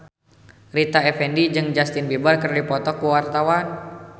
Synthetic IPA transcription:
rit̪aɛfɛndid͡ʒɨŋd͡ʒast̪ɪnbibarkərdipɔt̪ɔkuwart̪awan

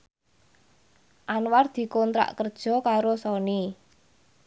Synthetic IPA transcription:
ʔanward̪̥i̤kɔnt̪ɾa̰ʔkərd̥ʒ̥ɔ̤kaɾosɔni

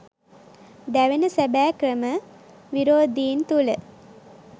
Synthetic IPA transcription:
d̪æʋənəsæbæːkrəmə | ʋiɾoːd̪iːnt̪ulə

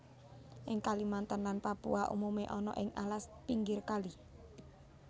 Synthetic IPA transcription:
ʔɪŋkalimant̪ənlanpapṵaʔṵmumeʔɔnɔ̰ʔɪŋalaspiŋɡɪrkali

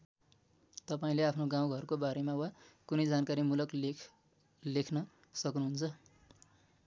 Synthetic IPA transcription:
t̪ʌpaĩleapʰnoɡãw̃ɡʱʌrkobaɾemawakunʌjd͡zankaɾimulʌk | lekʰnʌ | sʌknuɦunt͡sʰʌ

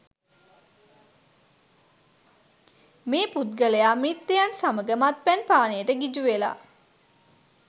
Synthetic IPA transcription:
meːput̪̚ɡələjaːmit̪ːejansaməɡəmat̪̚pænpaːnejəʈəɡid͡ʒuʋela̰

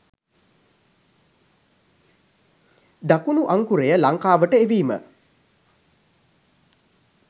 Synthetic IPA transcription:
d̪akunuʔaŋkuɾejəlaŋkaːʋəʈəeʋiːmə̰

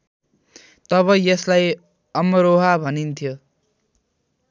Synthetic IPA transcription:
t̪ʌβʌjʌslaj | ʌmʌɾoɦabʱʌnint̪ʰjo

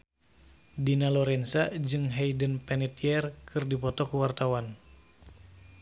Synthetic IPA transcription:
dinalɔɾɛnsad͡ʒɨŋɦɛjdənpɛnɛt̪iɛrkʰɨrdipɔt̪ɔkuwart̪awan

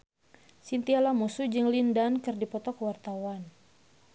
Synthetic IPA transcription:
sint̪ialamusud͡ʒɨŋlindankɨrdipɔt̪ɔkwart̪awan

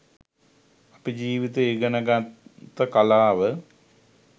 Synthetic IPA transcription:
apid͡ʒiːʋit̪eiɡənəɡat̪ːəkalaːʋə

